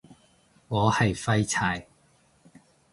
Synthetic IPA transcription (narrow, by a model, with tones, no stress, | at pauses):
ŋɔː˨˧hɐ˨jfɐ˥jt͡sʰaː˨˩j